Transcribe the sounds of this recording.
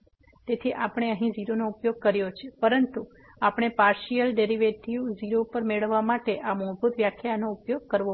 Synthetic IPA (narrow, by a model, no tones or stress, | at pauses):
t̪et̪ʰiʔapɽ̃eəɦĩd͡ʒiɾonoupjoɡ̚kəɾjot͡ʃʰepəɾənt̪u | apəɳ̃epaɾʃijəlɖeɾiʋeʈiud͡ʒiɾopəɾmeɭəʋːamaʈeʔamobʱut̪ʋjakʰjanoupjoɡ̚kəɾʋo